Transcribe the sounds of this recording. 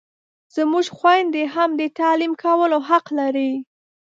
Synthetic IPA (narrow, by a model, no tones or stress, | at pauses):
z̥əmuʒxwajnd̪eɦamd̪ət̪ɑlimkawəloɦaqlaɾi